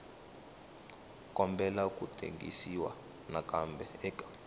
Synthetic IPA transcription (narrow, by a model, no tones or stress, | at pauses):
kʼɔmbʱɛlakutʰʼḛŋɡḭsiwa̰ | nakʼambʱɛɛkʼḁ